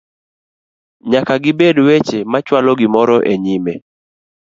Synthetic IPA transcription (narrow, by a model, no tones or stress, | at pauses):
ɲakaɡɪbedwet͡ʃemat͡ʃwalɔɡɪmɔɾɔʔeɲime